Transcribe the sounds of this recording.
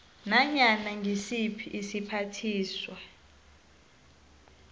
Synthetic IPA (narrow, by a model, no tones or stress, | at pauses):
naɲanaŋɡʱisipʰiʔːsipʰatʰiːswa